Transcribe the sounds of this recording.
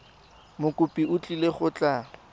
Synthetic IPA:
mʊkʼʊpʼiʊt͡ɬʼileχʊt͡ɬʼa

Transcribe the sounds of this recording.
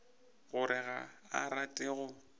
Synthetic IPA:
ɣʊɾɪɣa̰ | a̰ɾatʼɪɣʊ

